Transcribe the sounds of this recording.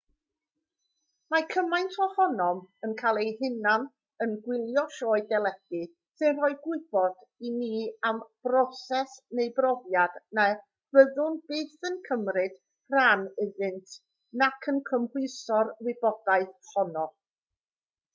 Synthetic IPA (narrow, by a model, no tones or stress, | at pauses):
makʰəmajntʰɔhɔnɔmənkʰalˠejhɪnan | ənɡwɪlˠjɔʃɔːɨdɛlˠɛd̥ɨ | sɨnrɔɨɡwɪɨb̥ɔd̥ | iniamb̥rɔsɛsnejbrɔvjadna | v̥əðʊnbeːθənkʰəmrɨd̥ | ranɪðɨntʰ | nakʰənkʰəmhwɨsɔrwɪbɔd̥aɨθhɔnɔ